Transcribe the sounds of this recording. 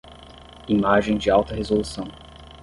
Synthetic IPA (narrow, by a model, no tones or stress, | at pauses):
imaʒẽj̃d͡ʒɪawt̪ɐɦezolusɐ̃w̃